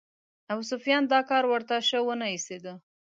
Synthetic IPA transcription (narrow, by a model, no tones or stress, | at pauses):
aws̬ʊfijɑnd̪ɑkɑɾwəɾt̪aʃəwənaised̪ə